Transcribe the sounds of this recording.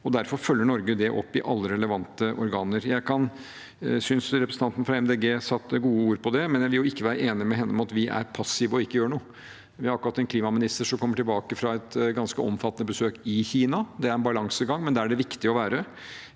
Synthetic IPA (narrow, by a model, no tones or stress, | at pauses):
ɔd̪æɾfɔɾfœlːəɳɔɾɡəd̪ɛʔɔ̰pːɪʔɑ̰lːəɾɛləʋɑnt̪əʔɔɾɡɑːnəɾjæɪkʰɑn | sʏnsɾɛpɾəs̩t̪ɑnt̪n̩fɾɑɛmd̪eːɡeːsɑt̪ːɡuːəuːɾpʰɔd̪ɛmɛnjæɪʋɪljʊɪkːəʋæːɾəʔeːnɪmɛɦɛnːəɔmɑt̪ʋɪʔæ̰ɾpʰɑsːɪʋəɔɪkːəjøːɾəɳuːə | ʋɪhɑɾɑkɾɑt̪ːɛnkʰliːmɑmɪnɪst̪əɾʂɔmkʰɔmːəʈɪlbɑːkəfɾɑɛt̪ɡɑnskəɔ̰mfɑt̪ːnəbəsøːkɪçiːnɑd̪ɛæɾɛnbɑlɑŋsəɡɑŋːmɛnd̪ɛæɖɛʋɪkt̪ɪɔʋæːɾə